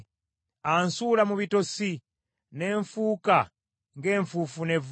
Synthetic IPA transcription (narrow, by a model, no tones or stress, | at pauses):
ansulamuβitosi | neːɱfuːka | ŋɡeːɱfufunev